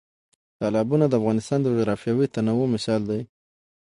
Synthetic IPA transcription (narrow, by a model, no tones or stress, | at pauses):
t̪ɑlɑbunad̪əafɣɑnɪst̪ɑnd̪əd͡ʒʊɾɑfjɑwit̪anawomɪsɑld̪aj